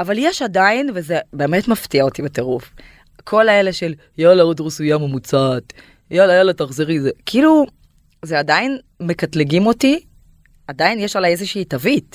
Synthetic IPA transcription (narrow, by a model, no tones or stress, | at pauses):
avaljeʃadainvezebe̞ːme̞tmaftiaotibeteʁuf | kʰo̞laele̞ʃel | jalaod̪ʁisujamemut͡sat̪ | jalajalataχziʁizekilu | zeadain | me̞katliɡimo̞ti | adainjeʃalajezeʃiːtavit